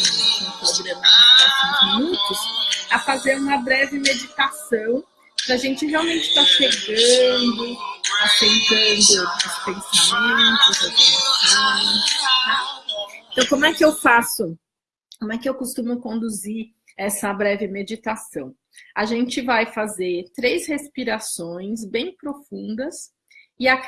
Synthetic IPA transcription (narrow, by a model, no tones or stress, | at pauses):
ẽsĩpɾoɡɾɐmapazẽnt̪ʊmũjt̪ʊsɐfazeɾũmɐbɾɛvɪmed͡ʒit̪asɐ̃w̃ | pɾɐaʒẽnt͡ʃɪɦeawmẽnt͡ʃɪ̥t̪aʃeɡɐ̃nd̪ʊasẽntɐ̃nd̪ʊot̪ɾʊspẽnsamẽnt̪ʊzat̪esɐ̃ | ẽt̪ɐ̃w̃kõmʊɛkɪewfasʊ | kõmʊɛkɪewkost̪ũmʊkõnd̪uziɾ | ɛsɐbɾɛvɪmed͡ʒit̪asɐ̰̃w̃ | aʒẽnt͡ʃɪvajfazeɾt̪ɾejshespiɾasõj̃sbẽj̃pɾofũnd̪ɐs | ɪak